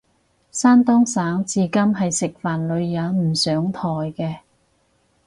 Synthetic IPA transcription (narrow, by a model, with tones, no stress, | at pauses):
saː˥nt̪ɔː˥ŋsaː˨˥ŋt͡siː˨˧kɐ˥mɦɐ˨jsɪ˨k̚faː˨˩nlɵ˨˧ɥjɐ˨˧˥nm̩˨˩sœː˨˥ŋt̪ʰɔː˨˩jkɛː˧